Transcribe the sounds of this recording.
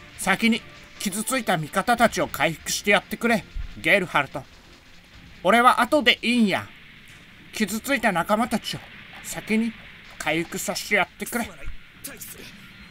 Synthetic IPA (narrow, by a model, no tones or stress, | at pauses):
sakʲiɲ̟i | kʲizɨt͡sɨit̪amʲikat̪at̪at͡ɕio̞kaiɸɯ̟̥kɯ̟̥ɕi̥t̪e̞jat̪ːe̞kɯ̟ɾe̞ɡe̞ːɾɯ̟haɾɯ̟t̪o̞ | o̞ɾe̞βaʔat̪o̞d̪e̞ʔĩja̰ | kʲizɨt͡sɨit̪anakamat̪at͡ɕio̞sakʲiɲ̟i | kʰaiɸɯ̟̥kɯ̟saɕi̥t̪e̞jat̪ːe̞kɯ̟ɾe̞